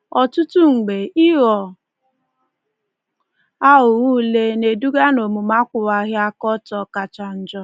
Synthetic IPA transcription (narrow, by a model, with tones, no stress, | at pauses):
ɔ˨tʊ˦tu˦ŋ͡m̩˨ɡ͡be˨i˦ɣɔ˨ | a˦ɦʊ˨ɣu˦le˦ne˨du˦ɡa˦no˨mu˨ma˦kʷʊ˨wa˨ɣja˦kɔ˦tɔ˨ka˨t͡ʃa˨n̩˦d͡ʒɔ˦